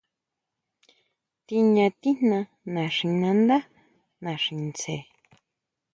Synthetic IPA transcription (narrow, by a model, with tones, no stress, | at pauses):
t̪i˧ɲã˧t̪i˦n̥nã˧ | nã˨ʂĩ˧˨nã˧nd̪a˦ | nã˨ʂĩ˨nt͡se˨